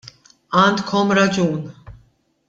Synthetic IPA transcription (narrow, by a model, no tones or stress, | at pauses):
and̪kʰɔmɾad͡ʒuːn